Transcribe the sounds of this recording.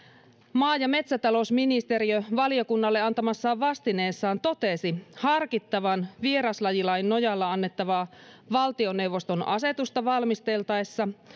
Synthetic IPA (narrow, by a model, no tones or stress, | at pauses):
mɑːjɑme̞t̪sæt̪ɑlo̞sminist̪eɾiøʋɑlijo̞kunːɑlːeɑnt̪ɑmɑsːɑːʋʋɑst̪ine̞ːsːɑːnt̪o̞t̪e̞sihɑrkit̪ːɑʋɑnʋieɾɑslɑjilɑinno̞jɑlːɑɑnːe̞t̪ːɑʋɑːʋɑlt̪io̞ne̞wʋːost̪o̞nɑ̰se̞t̪ust̪ɑʋɑlmist̪e̞lt̪ɑesːɑ